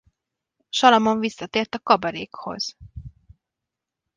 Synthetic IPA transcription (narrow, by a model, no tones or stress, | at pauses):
ʃɒlɒmoɱvisːɒt̪eːrt̪ɒkɒbɒɾeːkho̞̰z̥